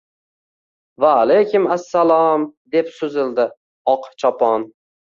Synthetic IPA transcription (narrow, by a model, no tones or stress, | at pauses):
vaːlejkʲʰʊmasːalɒmd̪e̞psʊzɪld̪ɪ | ɒqt͡ʃʰɒpʰɒn